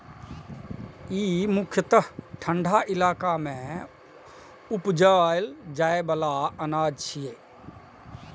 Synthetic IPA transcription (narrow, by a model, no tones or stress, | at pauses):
iːmʊkʰjət̪əɦʈʰə̃ɳɖʱaʔɪlaːkamẽ | ʊpd͡ʒald͡ʒaːebəlaənaːd͡ʒt͡ʃʰijeː